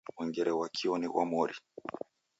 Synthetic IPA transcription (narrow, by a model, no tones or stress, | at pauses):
wɛŋɡɛɾɛwakʰiɔniwʔa̰mɔɾi